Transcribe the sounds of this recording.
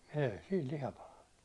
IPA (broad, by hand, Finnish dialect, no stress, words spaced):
eˑi siːl lihɑ pɑlɑnːu